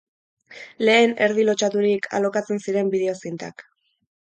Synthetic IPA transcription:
le̞ːne̞ɾðilo̞t͡ʃat̪uɾikʰa̰lo̞kat͡se̞nsiɾe̞mbiðe̞o̞sint̪a̰k

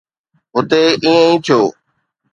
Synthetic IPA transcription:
ɦʊt̪eːĩːẽĩːt̪ʰjoː

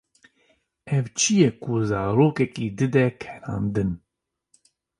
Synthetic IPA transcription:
ɛvt͡ʃʰijɛkuzaːɾoːkɛkiːd̪ɨd̪ɛkʰɛɾɑ̰̃ːnd̪ɨn

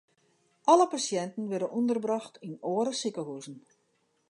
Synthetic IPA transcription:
ʔɔləpasjɛntn̩ʋɛdənʔundərbrɑxtʰinoːəɾəsikəɦuzn̩

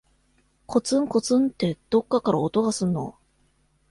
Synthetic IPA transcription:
kʰo̞t͡sɨ̃ŋko̞t͡sɨ̃nt̪ːe̞d̪̥o̞kːakaɾaot̪o̞ɡasɨ̃nːo̞̰

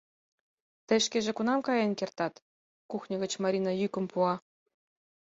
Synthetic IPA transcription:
t̪ə̆jʃkeʒĕkunɑmkɑjɑnʲkert̪ɑt̪ | kuxnʲɤ̆ɣə̆t͡ɕmɑɾʲinɑjykə̆mpuɑ

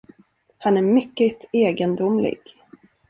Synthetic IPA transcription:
hanæɾmʏkːət̪eːɡənd̪ʊmlɪ̰ɡ̥

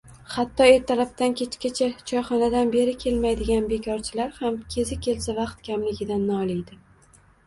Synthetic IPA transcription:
χat̪ʰːɒe̞ɾt̪ʰaɾapt̪ankʲʰe̞t͡ʃkʲat͡ʃʰat͡ʃʰɒjχɒnad̪anbe̞ɾɪkʲʰe̞lmajd̪ɪɡʲanbe̞kʲʰɒɾt͡ʃʰɪlaɾhamkʲʰe̞zɪkʲʰe̞lsavɑqt̪̚kʲʰamlɪɡʲɪd̪anːɒːlˠɪjd̪ɪ

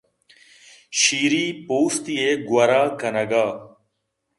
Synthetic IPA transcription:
ʃiːɾiːpoːst̪iːeːɡwɐɾaːkənəɡaː

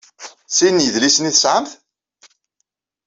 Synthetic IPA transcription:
sinjəðlisniθəsʕəmθ

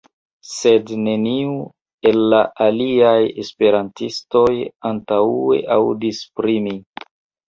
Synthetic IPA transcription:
se̞dne̞niu | e̞lːaʔaliaje̞̰spe̞ɾantisto̞jantaue̞̰ʔawdispɾimi

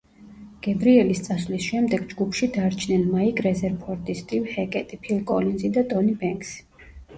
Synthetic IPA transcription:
ɡ̥ɛbɾiɛlist̪sʼaslisʃɛmd̪ɛɡd͡ʒɡupʰʃid̪aɾt͡ʃʰnɛnmaikʼɾɛzɛɾpʰɔɾt̪ʼist̪ʼivhɛkʼɛt̪ʼipʰilkʼɔlinzid̪at̪ʼɔnibɛŋks

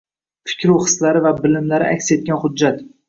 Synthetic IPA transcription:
fɪ̥kʲɾuwχɨ̥slaɾɪvabɪlɪmlaɾɪ̰ʔa̰kʲse̞t̪̚kʲanχʊd̪̚ːat̪

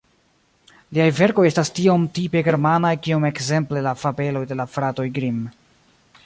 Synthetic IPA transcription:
liajve̞ɾko̞je̞stastio̞mtipe̞ɡe̞ɾmanajkio̞me̞kze̞mple̞lafabe̞lo̞jde̞lafɾato̞jɡɾim

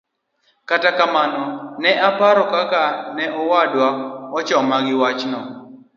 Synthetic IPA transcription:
katakamanɔnɛʔapaɾɔkakanɛɔwadwaɔt͡ʃɔmaɡɪwat͡ʃnɔ

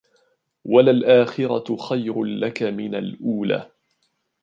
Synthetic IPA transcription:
walalʔaːxɪɾɑxajɾlakamɪnalʔuːla̰ː

